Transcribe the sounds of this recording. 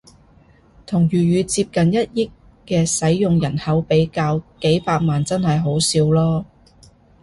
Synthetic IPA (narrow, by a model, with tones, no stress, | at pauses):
t̪ʰʊ˨˩ŋjyː˨˩ɥyː˨˧t͡siː˧p̚kɐ˨njɐ˥t̚jɪ˥kː | ɛː˧sɐ˨˥jjʊ˨ŋjɐ˨˩nhɐ˨˥wpe˨˥jkaː˧wke˨˥jpaː˧k̚maː˨nt͡sɐ˥nhɐ˨jɦo˨˥wsiː˧wlɔː˥